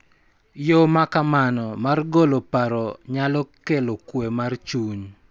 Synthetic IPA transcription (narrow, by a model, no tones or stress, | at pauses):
jɔmakamanɔmarɡolopaɾɔɲalɔkelokwemart͡ʃuɲ